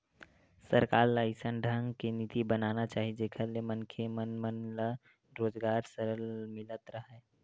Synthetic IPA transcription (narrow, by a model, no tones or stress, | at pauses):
səɾkaːɾləɪsənɖʱəŋɡkenit̪ibənaːnat͡ʃaːɦid͡ʒeːkʰəɾlemənkʰemənmənlə | ɾoːd͡ʒɡaːɾsəɾəlmɪlət̪ɾəɦɛː